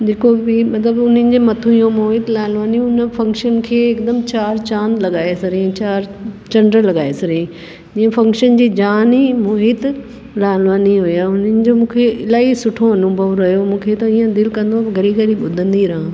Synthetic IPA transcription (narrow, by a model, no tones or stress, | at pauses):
d͡ʑeːkobɪmɐt̪ləbʊnənɪ̆d͡ʑeːmɐt̪ʰũjõmoːɦɪt̪laːlʋaːnĩʊnəfɐ̃ŋkʃənkʰeːɪkd̪əmt͡ɕaːɾt͡ɕãːnd̪lɐɠaːesɐɾẽt͡ɕaːɾt͡ɕɐ̃ɳɖəɾlɐɠaːesɐɾẽ | d͡ʑĩːə̃fɐ̃ŋkʃənd͡ʑiːd͡ʑaːnimoːɦɪt̪ | laːlʋaːniɦʊjaʊnənɪ̆d͡ʑomũːkʰeɪlaːisʊʈʰoɐnubʱɐʋɾɐɦijomũːkʰet̪ɐĩːə̃d̪ɪlkɐ̃nd̪oaːɡʱɐɾiɡʱɐɾiɓʊd̪ʱə̃nd̪iɾɐɦã